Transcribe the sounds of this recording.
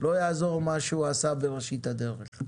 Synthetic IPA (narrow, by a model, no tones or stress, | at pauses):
lo̞jaːzo̞ʁmaʃeuasabeʁeʃit̪had̪eʁḛχ